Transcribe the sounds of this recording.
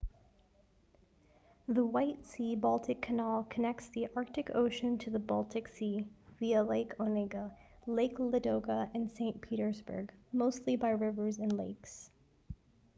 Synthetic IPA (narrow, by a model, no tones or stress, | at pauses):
ðəwaɪtsibɔlˠtʰɨkʰɨnɑlˠkʰɨnɛk̚tsðiʔɑɹk̚tɨkʰo̰ʊʃɨ̃ntʰɨðəbɔlˠtʰɨksiviəleɪkʰonɪɡəleɪklɨdoʊkəɨ̃nsẽɪ̃npʰiɾə˞zbə̰˞ɡmoʊstˡlibaɪɹɪvə˞zɨ̃nleɪks